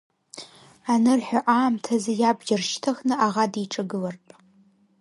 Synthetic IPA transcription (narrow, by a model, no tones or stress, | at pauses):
anɨrħʷʊʔaːmtʰɐzɐjaːbd͡ʒɐrʃtʰɐxnɨaʁɑdiʈ͡ʂʼɐɡɨlɐrpʼ